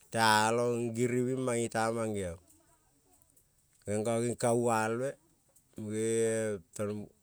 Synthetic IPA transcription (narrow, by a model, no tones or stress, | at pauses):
tealoŋɡiɾiwimaŋitamaŋɡiaw | ɡeŋɡaɡiŋkawalwe | mɡeton